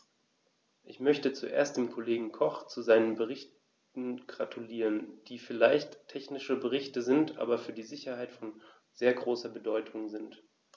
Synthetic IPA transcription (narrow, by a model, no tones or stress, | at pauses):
ʔɪçmœçtət͡suʔḛːɐst̚d̥eːmkʰoleːɡŋ̩kʰɔχt͡suzaɪnənbəʁ̞ɪç | n̩ɡʁatʰuliːʁənd̥iːfɪlaɪçtʰːɛçnɪʃəbəʁ̞ɪçtəzɪntʔa̰ːbɐfyːɐdiːzɪçɐhaɪtfɔn | zeːɐɡʁoːsɐbədɔʏtʰʊŋzɪnt